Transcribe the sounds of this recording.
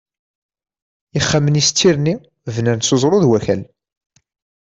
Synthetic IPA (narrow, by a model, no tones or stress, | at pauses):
iχːamənist̪ʰːiɾni | vnənsozˤɾˤoðwæçæl